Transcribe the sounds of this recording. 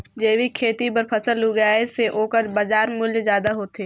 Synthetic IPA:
d͡ʒeːʋikʰeːt̪ipəɾpʰɐsəlɦuɡjaseʔoːkəɾbad͡ʒaːɾmʊljzjaːd̪aɦoːt̪eː

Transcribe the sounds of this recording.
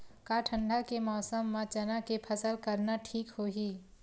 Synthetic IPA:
kaːʈʰə̃ɳɖʱakemɔːsəmːãt͡ʃɐnakepʰəsəlkəɾnaʈʰiːkhoːɦiː

